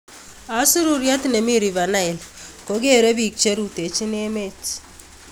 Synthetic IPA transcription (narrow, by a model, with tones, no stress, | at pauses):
a˨˦su˦ɾu˨ɾja˦t̪ne˨mi˦ɾi˨va˨na˦i˨lko˨˦ɡe˦ɾe˦bi˨k̚t͡ʃe˦ɾu˨te˨t͡ʃi˦ne˦me˦t͡ʃ